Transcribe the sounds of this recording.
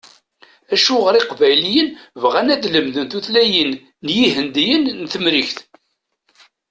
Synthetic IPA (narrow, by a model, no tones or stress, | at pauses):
æʃuʁəɾɪqvæjlijənvʁænæd̪ləmðənθuθlæjənː | jiɦənd̪ijənːθəmɾiçθ